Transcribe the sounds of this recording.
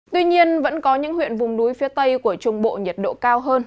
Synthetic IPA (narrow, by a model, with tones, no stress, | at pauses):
t̪wi˧ɲi˧ənvə̰˧˥nkɔ˨˦ɲɨ̰˧˥ŋhw̰ənvʊ˨˩ŋ͡mnu˨˦jfi˨˦ət̪ə˧jku˧˩ət͡ɕʊ˧˩ŋ͡mɓo̰˧˨ɲə˨˩t̚ɗo̰˧˨kaː˧wɦəː˧n